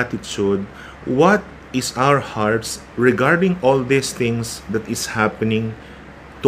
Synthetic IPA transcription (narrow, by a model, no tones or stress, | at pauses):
t̪ɪt͡ʃud̪̚ | wɐt̪̚ | ɪsawəɹhaɹt̪s | ɹɛɡaɹd̪ɪ̃ŋɔld̪ist̪ɪ̃ŋsd̪ɐt̪ɪshapɛnɪ̃ŋ | t̪u